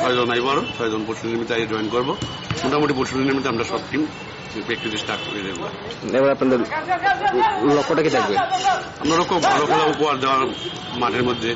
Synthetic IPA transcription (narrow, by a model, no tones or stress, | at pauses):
t̪ʰɔjd̪ɔnajbɔaɾut̪ʰɔjd̪ɔnpoɾsud̪inimit̪ajad͡ʒɔjnkɔɾbo | moʈʰamuʈipoɾʃud̪inimit̪eamɾasɔbʈim | bek̚t̪it̪esʈaɾkɾed̪ebba̰ | ebaɾapnad̪eɾ | lokːoʈakit̪ʰakbe | amɾalokɔɡʱɔlɔkʰɔlaupɔaɾd̪eoaɾ | maʈʰeɾmod̪ʱːje